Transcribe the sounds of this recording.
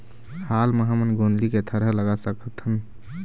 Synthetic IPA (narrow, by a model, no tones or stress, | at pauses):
halməɦamənɡonliket̪ʰəɾələɡasəkʰət̪ʰən